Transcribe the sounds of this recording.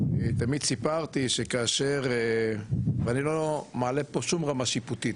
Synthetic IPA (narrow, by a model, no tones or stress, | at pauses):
et̪amid̪̚sipaʁt̪iʃekaːʃeʁ | veanilomaːlepo̞ʃumʁamaʃiput̪it